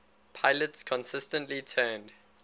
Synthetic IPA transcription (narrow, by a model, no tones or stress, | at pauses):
pʰaɪlətskʰɔ̃nsɪstə̃ntlitʰɜːnd